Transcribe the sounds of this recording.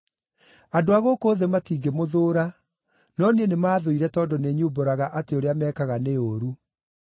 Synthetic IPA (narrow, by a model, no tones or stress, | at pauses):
adoaɣokoːðematiːɡemoðoːɾa | nɔnienemaːðoiɾɛtɔdɔneɲuboɾaɣaʔateoɾeamɛːkaɣaneoɾu